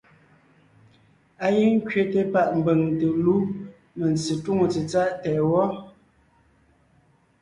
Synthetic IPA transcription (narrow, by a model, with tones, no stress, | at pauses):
a˦ji˦ŋ̩˦kɥe˨te˦pa˦˨ʔm̩˨be˨ŋ˨te˨lu˦ | me˨n˨t͡si˨twu˦ŋo˨t͡sə˨t͡sa˦ʔtɛ˨wɔ˦